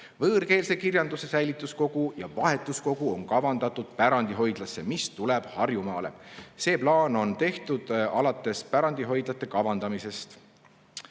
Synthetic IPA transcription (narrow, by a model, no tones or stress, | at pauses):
vɤːrke̞ːlse̞kirjɑnd̪use̞sæjlit̪ːˑusko̞ɡ̥ujɑ̰vɑɦe̞t̪ːˑusko̞ɡ̥uo̞nkɑvɑnd̪̥ɑt̪ːˑud̪̥̚pæɾɑnd̪iɦo̞jd̪̥lɑsːe̞mist̪ule̞b̥hɑrjumɑːle̞̰se̞ːplɑːno̞nt̪e̞ht̪ud̪̥ɑlɑt̪ːˑe̞spæɾɑnd̪̥iɦo̞jd̪̥lɑt̪ːˑe̞kɑvɑnd̪̥ɑmise̞st̪